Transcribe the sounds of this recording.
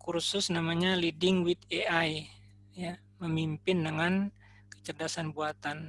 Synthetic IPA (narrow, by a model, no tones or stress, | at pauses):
kursʊsnamaɲalidɪŋwit̪̚eaj | ja | məmimpɪndəŋan | kə̥t͡ʃərdasanbuat̪an